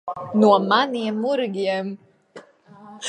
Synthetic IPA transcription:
nuɔmaniɛmːuɾɡʲiɛm

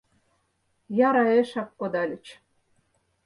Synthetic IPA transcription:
jɑɾɑeʃɑkːod̪ɑlʲɘ̆t͡ɕ

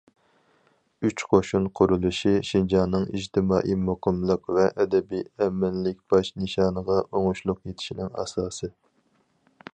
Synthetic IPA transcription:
yt͡ʃqʰoʃunqʰʊɾulˠuʃiʃind͡ʒɑnːɨŋḭd͡ʒt̪ʰɪmɑːʔimoqʰɨmlˠəqvɛʔɛd̪ɛbiɛmɪnlɪk̚ʲb̥ɑʃnɨʃɑːnəʁɑʔoŋʊʃlˠʊqjet̪ʰɪ̥ʃinɪŋɑ̰sɑːsɨ

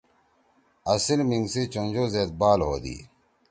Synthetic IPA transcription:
ɐsilmiŋɡsit͡ɕond͡ʑoːzeːt̪̚baːlɦo̰ːd̪ḭː

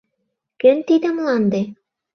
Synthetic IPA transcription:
kɘ̆nt̪id̪ɘ̆mlˠɑnd̪ɤ

